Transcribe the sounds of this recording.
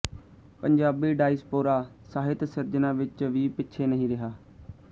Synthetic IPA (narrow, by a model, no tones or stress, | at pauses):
pəɲd͡ʒaːbiːɖaːɪspoːɾaː | saːɦɪt̪səɾd͡ʒnãːʋɪt͡ʃʋiːpɪtːʃʰeːnəɦĩːɾɪɦaː